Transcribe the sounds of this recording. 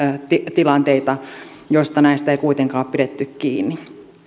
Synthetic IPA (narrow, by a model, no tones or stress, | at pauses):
t̪it̪ilɑnt̪eit̪ɑ | joist̪ɑnæist̪æeikuit̪eŋkɑːoppiɾet̪ːykkiːnːi